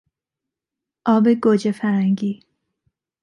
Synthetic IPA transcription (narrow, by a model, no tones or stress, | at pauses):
ʔɒːbeɡod͡ʒefæɾhæŋɡiː